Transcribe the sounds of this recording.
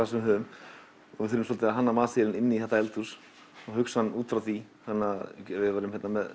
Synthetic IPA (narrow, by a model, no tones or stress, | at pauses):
asɛmɦʏːʏm | ɔvɪðθʏɾʏmsɔlt̪ɪaɦanːamaːsɪɾɪnɪnːɪiθɛht̪aɛlt̪uɾs | ɔɣɦʏkshanːuːt̪fɾawθi | hanːavɪðvaːɾʏmhɛt̪namɛð